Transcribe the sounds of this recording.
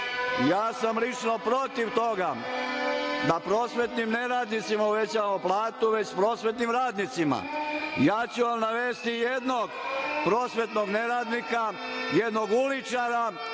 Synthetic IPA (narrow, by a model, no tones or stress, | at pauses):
ijaːsamlit͡ʃno̞pɾo̞t̪iʋt̪o̞ɡa | d̪apɾo̞ːsʋe̞t̪nimne̞ɾaːd̪nit̪simaoʋe̞t͡ɕaʋamoplˠaːt̪uʋe̞t͡ɕspɾo̞ːsʋe̞t̪nimɾaːd̪nit̪sima̰ijaːt͡ɕuʋamnaʋeːst̪ijed̪noɡpɾo̞ːsʋe̞t̪no̞ɡne̞ɾaːd̪nikajed̪no̞ɡulit͡ʃaɾa